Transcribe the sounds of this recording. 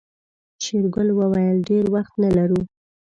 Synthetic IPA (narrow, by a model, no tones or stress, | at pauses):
ʃeɾɡʊlwəwajəlɖeɾwaxt̪nalaɾu